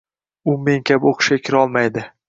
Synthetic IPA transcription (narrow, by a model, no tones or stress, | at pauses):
ʊme̞ŋkʲʰaboqʰɨ̥ʃkʲakʲʰɪɾɒlˠmajd̪ɪ